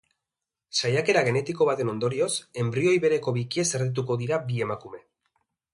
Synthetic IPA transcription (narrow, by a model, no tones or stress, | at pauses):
sajake̞ɾaɣ̞e̞ne̞t̪iko̞βat̪e̞no̞nd̪o̞ɾio̞se̞mbɾio̞jβe̞ɾe̞ko̞βikiese̞ɾðit̪̬uko̞ðiɾabie̞makume̞